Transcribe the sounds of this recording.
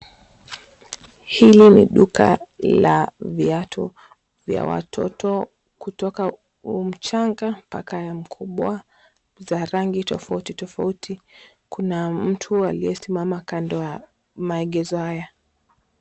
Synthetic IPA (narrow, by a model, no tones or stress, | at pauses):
hilinḭɗuka̰laviatʰɔ̰ | vja̰wa̰tʰɔ̰tʰɔ | kutɔka | um̩t͡ʃaŋɡampa̰kajam̩kʰuɓwa | zaɾaŋɡitɔfautitɔfautʰi | kunam̩tʰualijɛsimamakandɔa | maɛɠɛzɔhaja